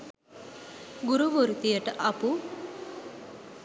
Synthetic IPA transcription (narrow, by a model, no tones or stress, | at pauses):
ɡuɾuʋoɾut̪ijəʈʔapu